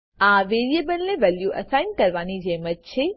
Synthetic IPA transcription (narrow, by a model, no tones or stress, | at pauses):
aʋeɾiebəlnẽʋɛljuʔəsaɪnkəɾʋanid͡ʒemət̚t͡ʃʰe